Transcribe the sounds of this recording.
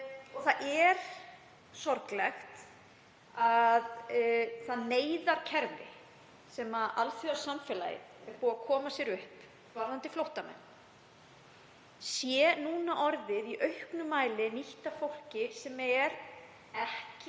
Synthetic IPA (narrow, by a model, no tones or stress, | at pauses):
ɔθaʔɛɾ̥ | sɔɾklɛxt̪ | aðθaðneːjðaɾ̥cʰɛɾvɪ̰ | sɛmaʔalθiasamfɛla̰jɪ̰ɛɾpuːakʰɔːmasjɛɾʏhp | vaɾðant̪ɪflowht̪amɛ̰nː | sjɛnuːnaʔɔɾðɪðiʔœɥhknʏmaːjlɪniht̪afowl̥cɪɾsɛmɛɾ | ɛhcɪ